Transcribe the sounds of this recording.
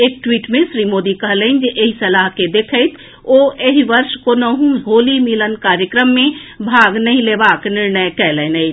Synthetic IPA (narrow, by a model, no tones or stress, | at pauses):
eːk̚ʈwiːʈmẽsɾimod̪ikəɦləɪnd͡ʒeʔeɦisəlaɦked̪ekʰəɪt̪ʰ | oeɦiʋəɾʃkonoɦũɦolimilənkaɾjəkɾəmːẽbʱaɡnəɦĩlebaknɪɾnəjkɛlənəɪt